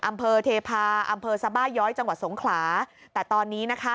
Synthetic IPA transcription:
ʔa˧mpʰɤː˧t̪ʰeː˧pʰaː˧ʔa˧mpʰɤː˧sa˧baː˥˩jːɔː˦˥jt͡ɕa˧ŋwa˨˩t̪̚so˩˦ŋkʰlaː˩˦t̪ɛː˨˩t̪ɔː˧nːiː˦˥na˦˥kʰa˦˥

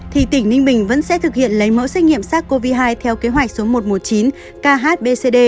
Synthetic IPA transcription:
t̪ʰi˨˩t̪ï˧˩ŋ̟nï˧ŋ̟ɓï˨˩ŋ̟və̰˧˥nsɛ̰˧˥t̪ʰɨ˨˩k̚hḭ˧˨ənlə˨˦jmə̰˧˥sɛ˦˥k̟̚ŋḭ˧˨əmsaː˦˥kko˧vi˧ɦaː˧jt̪ʰɛ˧wke˨˦ɦwa˨˩jk̟̚so˨˦mo˨˩t̚mo˨˩t̚t͡ɕi˨˦n | kaː˧ɦaː˦˥t̚ɓe˧se˧ɗe˧

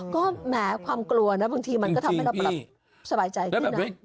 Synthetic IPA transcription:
kɔː˥˩mɛː˩˦kʰwaː˧mklu˧ɐna˦˥baː˧ŋt̪ʰiː˧ma˧nkɔː˥˩t̪ʰma˥˩jɾa˧la˦˩ | sa˧baː˧jt͡ɕa˧jkɯ˥˧n˦˥

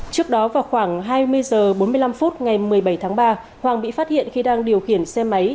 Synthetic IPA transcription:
t͡ɕɨ˦˥ək̚ɗɔ˨˦vaː˨˩wxwaː˧˩ŋɦaː˧jmɨ˧əjzəː˨˩ɓo˨˦nmɨ˧əjla˧mfu˦˥t̚ŋa˨˩jmɨ˨˩əjɓə˧˩jt̪ʰaː˨˦ŋɓaː˧ | hwaː˨˩ŋɓḭ˧˨faː˦˥t̚hḭ˧˨ənxi˧ɗaː˧ŋɗi˨˩əwxi˧˩ənsɛ˧ma˨˦j

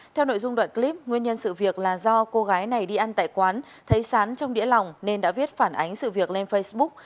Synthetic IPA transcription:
t̪ʰɛ˧wno̰˧˨jzʊ˧ŋ͡mɗwa̰ː˧˨nkli˦˥p̚ŋwi˧ənɲə˧nsɨ̰˧˨vi˨˩ək̚laː˨˩zɔ˧ko˧ɣaː˨˦jna˨˩jɗi˧ʔa˧nt̪a̰ː˧˨jkwaː˨˦n | t̪ʰə˨˦jsaː˨˦nt͡ɕɔ˧wŋ͡mɗḭ˧˥əla˨˩wŋ͡mne˧nɗa̰ː˧˥vi˦˥ət̚faː˧˩nʔa˨˦jŋ̟sɨ̰˧˨vi˨˩ək̚le˧nfə˧jsɓʊ˦˥k̚

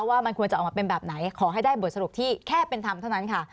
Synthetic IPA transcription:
waː˥˩m˧nku˧ənt͡ɕa˨˩ʔmaː˧pe˧nbɛː˨˩p̚na˩˦jkʰɔː˩˦ɦa˥˩jdaː˥˩jbu˨˩ət̪̚sa˧ɾu˨˩p̚t̪ʰiː˥˩kʰɛː˥˩pe˧nt̪ʰa˧mt̪ʰa˥˩na˦˥nkʰa˥˩

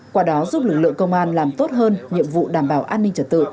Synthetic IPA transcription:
kwaː˧˩ɗɔ˨˦zu˦˥p̚lɨ˨˩k̚lɨ̰˧˨əŋkə˧wŋ͡mʔaː˧nlaː˨˩mt̪o˦˥t̚ɦəː˧nɲḭ˧˨əmvṵ˧˨ɗaː˧˩mɓaː˧˩wʔaː˧nːï˧ŋt͡ɕə˨˧˩t̚t̪ɨ̰˧˨

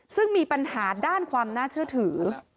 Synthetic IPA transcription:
sɯ˥˩ŋmiː˧pa˧nɦhaː˩˦daː˥˩nkʰwaː˧mnaː˥˩t͡ɕʰɯ˥˩ət̪ʰɯː˩˦

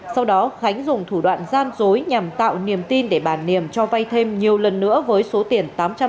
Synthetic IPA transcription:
sa˧wɗɔ˨˦xa˨˦jŋ̟zʊ˨˩ŋ͡mt̪ʰu˧˩ɗwa̰ː˧˨nzaː˧nzo˨˦jɲa˨˩mt̪a̰ː˧˨wni˨˩əmt̪i˧nɗe˧˩ɓaː˧˩nːi˨˩əmt͡ɕɔ˧va˧jt̪ʰe˧mɲi˨˩əwlə˨˩nːɨ̰˧˥əvəː˨˦jso˨˦t̪i˨˩ənt̪aː˨˦mt͡ɕa˧

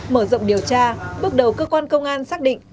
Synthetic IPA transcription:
məː˧˩zə̰˧˨wŋ͡mɗi˨˩əwt͡ɕaː˧ɓɨ˦˥ək̚ɗə˨˩wkəː˧kwaː˧nkə˧wŋ͡mʔaː˧nsaː˦˥k̚ɗḭ̈˧˨ŋ

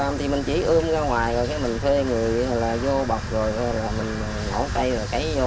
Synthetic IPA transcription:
mt̪ʰi˨˩mï˨˩ŋ̟t͡ɕi˧˩˦ʔɨː˧əmzaː˧ŋwaː˨˩jzo˨˩jkaː˨˦jmï˨˩ŋ̟t̪ʰwe˧ŋɨ˨˩əjlaː˨˩zo˧ɓa˨˩wk͡p̚zo˨˩jaː˧˦laː˨˩mï˨˩ŋ̟˨˩no˧˦kə˧jzə˨˩ka˨˦jo˧

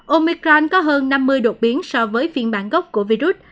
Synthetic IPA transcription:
ʔo˧mi˧kɾɔ˧nkɔ˨˦ɦəː˧nːa˧mːɨ˧əjɗo˨˩t̚ɓi˨˦ənsɔ˧vəː˨˦jfḭ˧ənɓa̰ː˧˩nɣə˦˥wk͡p̚ku˧˩əvi˧zu˦˥t̚

